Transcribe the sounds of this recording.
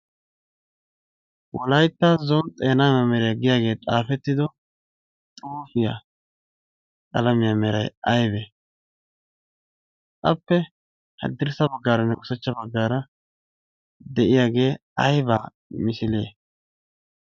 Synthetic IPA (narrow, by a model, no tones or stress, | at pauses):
wɔ̰lɐjt̪ːazɔnt̪ʼeːnaːmɐmɛɾɛjɐɡɪjaːɡe̞ːt̪ʼaːfɛt̪ːɪd̪ɔ | t̪ʼuːfɪja̰ | kʼɐ̰lɐmɪjamɛɾɐ̰jɐjbɛ | tʼɐpːɛ | hɐ̰d̪ːɪɾsɐbɐɡːaːɾɐnːɛʊsɛt͡ʃːɐbɐɡːaːɾɐ | d̪ɛʔɪjaːɡe̞ː | ɐjbaː | mɪsɪle̞̰ː